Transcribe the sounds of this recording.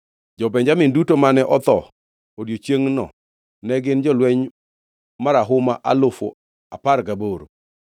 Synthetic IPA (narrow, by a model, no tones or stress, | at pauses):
d͡ʒɔbɛɲd͡ʒamɪndutomanɛʔɔt̪ɔ | odjot͡ʃjeŋnɔ̰ | nɛɡɪnd͡ʒɔlwɛɲ | maɾaɦʊmaʔa̰lʊfo̰ | a̰parɡaboɾo̰